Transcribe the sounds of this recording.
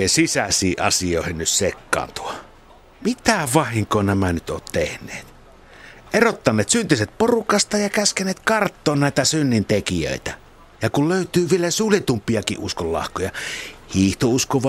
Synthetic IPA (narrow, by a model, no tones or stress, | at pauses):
esisæsˑiːʔʔɑ̰sioˑehinnyssekːɑ̰ːnt̪u̥ɑ | mit̪æʋɑhiŋkˑoːnæmænyt̪o̰ːt̪t̪ehnˑeːt̪ | ʔerot̪ːɑnːeːt̪synt̪iset̪̚porukɑst̪ɑjɑkæskeneːt̪kɑrt̪ːoːnnæˑit̪æsynːint̪ekijø̰ˑit̪æ | jɑkulløˑyt̪yːʋielæsuːljet̪umpːˑiɑkḭʔʔuskollɑ̰hkojɑhiːht̪ouskoʋɑ